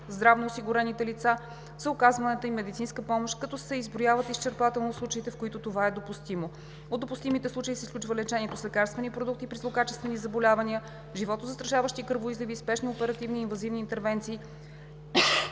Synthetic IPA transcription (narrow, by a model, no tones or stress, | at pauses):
zd̪ɾavnoːsiɡʊɾɛnit̪ɛlit̪sa | z̥əʊkazvɐnɛt̪əimɛd̪it̪sinskəpɔmoʃkɐt̪ɔsɛizbɾojavət̪ist͡ʃɛɾpat̪ɛlˠnoslˠut͡ʃəit̪ɛfkoit̪ot̪ovaɛd̪opust̪imo | od̪d̪opust̪imit̪ɛslˠut͡ʃəisɛsklʲut͡ʃvəlɛt͡ʃɛniɛt̪oslɛkaɾst̪vɛnipɾod̪ukt̪ipɾizlˠokat͡ʃɛst̪vɛnizɐbolʲavɐniə | ʒivɔt̪ozəst̪ɾɐʃavəʃt̪ikɤɾvoizlʲɛviːspɛʃniopɛɾɐt̪ivniːnvɐzivniːnt̪ɛɾvɛnt̪siː